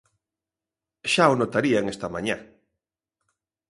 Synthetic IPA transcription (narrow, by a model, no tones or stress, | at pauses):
ʃaonot̪aɾiaŋest̪amaɲa